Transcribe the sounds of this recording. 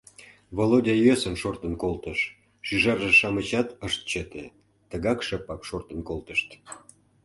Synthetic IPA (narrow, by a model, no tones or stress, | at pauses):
βolodʲɑjøsənʃort̪ənkolt̪əʃ | ʃyʒɑrʒeʃɑmət͡ɕɑt̪əʃt̪̚t͡ɕət̪e | t̪əɣɑkʃəpɑkʃort̪ənkolt̪əʃt̪